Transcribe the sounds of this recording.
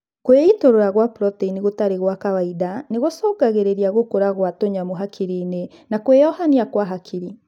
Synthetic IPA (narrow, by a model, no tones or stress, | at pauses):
kweitoɾoɾaɣwapɾɔteiniɣotaɾeɣwakawaidaneɣosɔɡaɣeɾeɾiaɣokoɾaɣwatoɲamoɦakʰiɾine | nakwejɔhaniakwaɦakʰiɾi